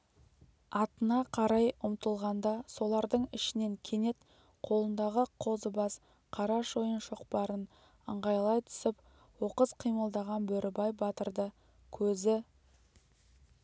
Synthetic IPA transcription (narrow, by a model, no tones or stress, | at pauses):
ɑt̪ənɑqʰɑɾɑjʊmt̪əlˠʁɑnd̪ɑso̞lˠɑɾd̪əɴɪʃɪne̞ŋkʲʰe̞ne̞t̪ | qʰo̞lˠənd̪ɑʁəqʰo̞zəbɑs | qʰɑɾɑʃojənʃo̞qpɑɾən | əɴʁɑjlˠɑjt̪ʰʏ̥sɪp | wo̞qəzqʰijməlˠd̪ɑʁɑnbɵɾʔɪbɑjbɑt̪əɾd̪ə | kʲʰɵzɪ